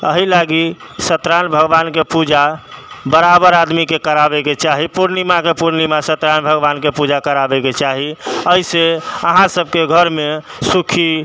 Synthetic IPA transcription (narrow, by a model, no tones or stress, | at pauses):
əɦilaɡisət̪ɾanbʱəɡbankepud͡ʒabəɾabəɾad̪mikekəɾabeket͡ʃaɦipuɾnimakepuɾnimasət̪ɾanbʱəɡbankepud͡ʒakəɾabɛket͡ʃaɦiəiseəɦãsəb̚ʱkeɡʱəɾme | sukʰi